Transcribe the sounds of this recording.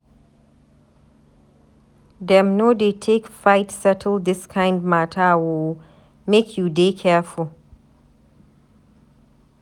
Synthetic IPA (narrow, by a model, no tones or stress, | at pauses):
dɛ̃mnodetʰekfajtsɛtʰəl̩d̪ɪskʰãɪ̃ndmatʰawo | mekʰjudekʰɛful